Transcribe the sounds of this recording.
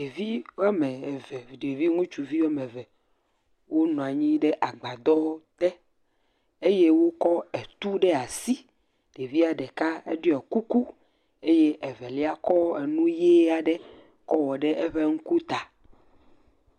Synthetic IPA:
ɖe˨vi˦wo˦a˦mɛ˨vɛ˨ɖe˨vi˦ŋũ˦t͡ʃu˨vi˦wo˦a˦mɛ˨vɛ˨ | wo˦nɔ̃˨a˨ɲĩ˦ɖɛ˦ʔa˨ɡ͡ba˨d̪ɔ˦t̪ɛ˦ | e˦je˦wo˦kɔ˦ɛ˨t̪u˦ɖɛ˦a˨si˦ | ɖ̥e˨vi˦a˨ɖɛ˨ka˦ɛ˦ɖɔ˦ɛ˨ku˦ku˦ | e˦je˦ʔɛ˨vɛ˨li˦a˦kɔ˦ɛ˨nũ˦je˦a˨ɖɛ˦ | kɔ˦wɔ˨ɖɛ˦ʔɛ˦ɸɛ˦ŋu˦ku˦t̪a˨

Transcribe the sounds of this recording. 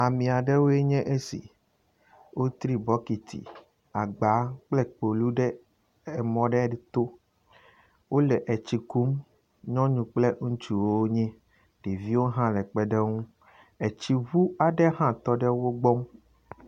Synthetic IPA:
a˨mĩ˨a˨ɖɛ˦wo˦e˦ɲɛ̃˦ʔe˦sḭ˨ | wo˦t̪ɾi˦bɔ˦ki˨t̪ʰḭ˨ | a˨ɡ͡ba˨˦k͡plɛ˦k͡po˨lu˦ɖɛ˦ | ɛ˨mɔ̃˨ɖɛ˦ɖɛ˨˦t̪o˦ | wo˦lɛ˨ʔɛ˨t͡ɕi˨ku˦m | ɲɔ̃˦ɲũ˨k͡ple˦ŋũ˦t͡ʃu˨woo˦o˦ɲɛ̃˦ | ɖ̥e˨vi˦wo˦ɦã˦lɛ˨k͡pɛ˦ɖɛ˦ŋũ˦ | ɛ˨t͡ɕi˦vu˦a˨ɖɛ˦hã˦t̪ɔ˦ɖɛ˦wo˦ɡ͡bɔ˦m

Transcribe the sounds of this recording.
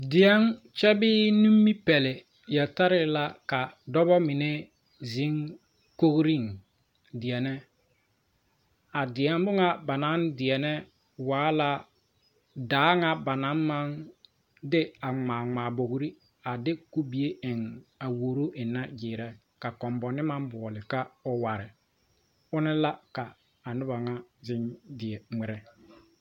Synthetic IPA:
dɪ˨ɛ˦ŋ | t͡ʃɛ˦bɪː˦nu˦mːi˦pɛ˨lɪ˨ | jɛ˨ta˦ɾɪ˦la˦ka˨dɔ˦bɔ˦mɪ˨nɛ˦ | zi˨˦ŋ | ko˦ɡɾi˦˨ŋ | dɪ˨ɛ˨nɛ˦ | a˨dɪ˨ɛ˦m˦bʊ˦ŋa˦ba˨na˨˦ndɪ˨ɛ˨nɛ˦ | waː˨˦la˦ | daː˨˦ŋa˦ba˨na˨˦mma˦n | dɪ˦a˨ŋ͡maː˨ŋ͡maː˨bo˨ɡɾi˦ | a˨dɪ˦ku˦bi˨e˦ʔɪ˨ŋa˨wo˨ɾo˦ʔɪ˨nːa˦d͡ʒɪː˨ɾɛ˦ | ka˨kɔ˨mbɔ˨nɪ˦ma˦nbɔ˨ɔ˨lɪ˨ka˦ɔ˦wa˨ɾɪ˨ | ʊ˦nɪ˦la˦kaː˨ | nʊ˦ba˨ŋa˦zɪ˦ndɪ˨ɛ˨ŋ͡mɛ˨ɾɛ˦

